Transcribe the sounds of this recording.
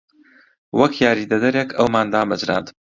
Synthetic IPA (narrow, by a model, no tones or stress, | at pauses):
wɐkʰjaːɾiːd̪ɐd̪ɐɾekʰɐwmaːnd̪aːmɨd͡ʒɾa̰ːnt̪